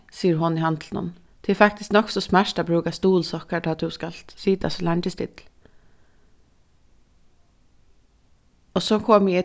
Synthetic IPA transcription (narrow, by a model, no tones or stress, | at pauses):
siːəɾɦʊnɪhɑnt̪ʰlnʊ̰n | d̪̥ʰɪfɑkt̪ɪsknɔksɔsmæʃʈɑbɾʉːkast̪uːlsɔkəɖɑt̪d̪ʉskɑlsiːd̪ɑ̰sɔlæɳt̪əst̪ɪ̰t̪l | ɔsokʰɔmjiɛ